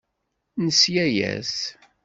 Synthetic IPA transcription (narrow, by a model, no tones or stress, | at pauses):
nəsjæjæ̰s